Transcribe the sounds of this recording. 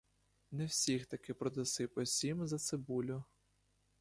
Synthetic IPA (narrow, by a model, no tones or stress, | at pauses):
nɛwsʲixt̪ɐkɪpɾɔd̪esɪpɔsʲimzɐt̪sɪbulʲʊ